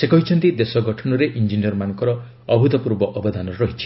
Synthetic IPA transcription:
sekɔɦit͡ʃʰɔnt̪id̪esɔɡʱɔʈʰɔnɔɾeʔind͡ʒiniɔɾmanɔŋkɔɾɔ | ɔbʱut̪ɔpuɾbɔʔɔbɔd̪ʱanɔɾeɾɔɦit͡ʃʰi̥

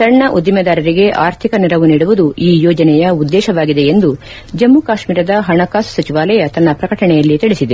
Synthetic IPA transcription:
sɐɳːɐʔud̪imɐd̪aːɾɐɾiɡe̞ʔaːɾt̪ʰikɐniɾɐʋuniːɽuʋud̪uiːjɔːd͡ʒɐnɛjɐud̪ːɛːʃɐʋaːɡid̪e̞end̪u | d͡ʒɐmːukaːʃmiːɾɐd̪ɐɦɐɳɐkaːssɐt͡ʃiʋaːlɐjɐt̪ɐnːɐpɾɐkɐʈɐɳɛjɐlːit̪iɭisid̪e

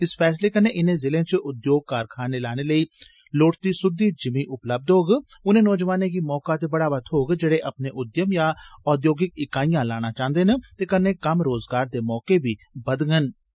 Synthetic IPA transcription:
ɪspʰɛːs̬leːkənːeːʔɪnẽːzɪlẽːt͡ʃəʔʊd̪joːɡ̚kaːɾkʰaːneːlaːɽ̃eːləiː | loːʈt̪iːsʊd̪ːiːd͡ʒɪmĩːʔʊpləb̚d̪ɦoːɡʊnẽːnɔːd͡ʒʋaːnẽkiːmɔːkaːt̪ebəɽaːʋət̪ʰɦoːɡd͡ʒeɽeːʔəpneːʔʊd̪jəmjaːɔːd̪joːɡɪkɪkaːijãːlaːñaːt͡ʃãːnd̪eːnət̪eːkənːẽːkəmɾoːzɡaːɾd̪eːmɔːkebʱiːbəd̪ŋən

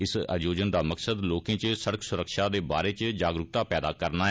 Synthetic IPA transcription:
ɪsə̰d͡ʒoːd͡ʒənd̪aːməksəd̪loːkẽːt͡ʃsəɽəksʊɾəkʃaːd̪eːba̰ːɾeːt͡ʃd͡ʒaːɡɾʊk̚t̪aːpɛːd̪aːkəɾnaːɦ

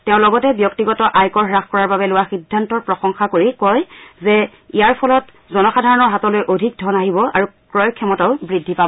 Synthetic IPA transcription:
tɛʊ̃lɔɡɔtɛbjɔk̚tiɡɔtɔʔajkɔɹɦɹaxkɔɹaɹbabɛlʊwaxidʱːantɔɹpɹɔxɔŋxakoɹikɔjzɛ | ijaɹpʰɔlɔt | zɔnɔxadʱaɹɔnɔɹɦatɔlojʔodʱik̚dʱɔnaɦibɔaɹu | kɹɔjkʰjɔmɔtaʊbɹidʱːipabɔ

